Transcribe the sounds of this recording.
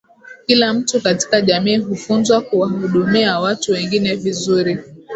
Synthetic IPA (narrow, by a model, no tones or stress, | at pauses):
kilam̩tukati̥kaʄamiːɦufunzwakuwahuɗumiawatuwɛŋɡinɛvizuɾi